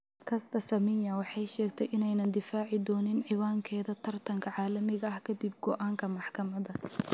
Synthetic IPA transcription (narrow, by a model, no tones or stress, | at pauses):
kʰɐst̪ʰɐsɐmɪjɐwɑħɑjʃɛːɡt̪ʰɛjʔɪnɛjnɐnd̪ɪfaːʕɪd̪ɔːnɪnʕɪwaːŋkʰɛːðɐt̪ʰɐrt̪ʰɐŋkʰɐʕɑːlɐmɪɣɐɐhkʰɐd̪ib̚ɡɔʔaːŋkʰɐmɑħkʰɐmɐðɐ